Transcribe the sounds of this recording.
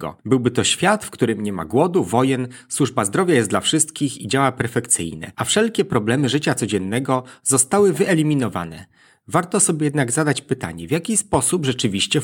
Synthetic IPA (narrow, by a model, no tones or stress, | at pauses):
ɡɔ̰bɘwbɘt̪ɔɕfʲjat̪fkt̪uɾɘmɲɛma̰ɡwɔd̪uvɔjɛnswuʐbazd̪ɾɔvjajɛsd̪lafʂɘst̪kʲixid͡ʑawapɛɾfɛkt̪sɘ̰jnɛ̰ʔafʂɛlkʲɛpɾɔblɛmɘʐɘt͡ɕat̪sɔd͡ʑɛnːɛɡɔzɔst̪awɘvɘɛlʲimʲinɔva̰nɛ̰ | vaɾt̪ɔsɔbʲjɛjɛd̪naɡzad̪at͡ɕpɘt̪a̰ɲɛvʲjakʲispɔsubʐɛt͡ʂɘvʲiɕt͡ɕɛ